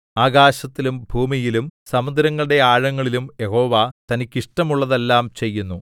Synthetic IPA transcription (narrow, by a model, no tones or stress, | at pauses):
aːɡaːɕɐt̪ːilumbʱuːmijilumsɐmɐd̪ɾɐŋːɐɭɨɽe̞aːɻɐŋːɐɭilumje̞ho̞ːʋat̪ɐnikʲːiʂʈɐmuɭːɐðe̞lːaːmt͡ɕe̞jːunːu